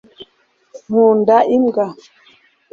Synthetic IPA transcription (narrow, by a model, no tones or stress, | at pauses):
mũndaʔimɡa